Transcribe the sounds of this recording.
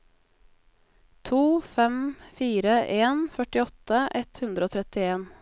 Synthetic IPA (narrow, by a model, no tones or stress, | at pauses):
t̪ʰuːfɛmfiːɾəʔeːnfœʈɪɔt̪əʔɛt̪hʉnd̪ɾəoːt̪ʰɾɛt̪ɪeːn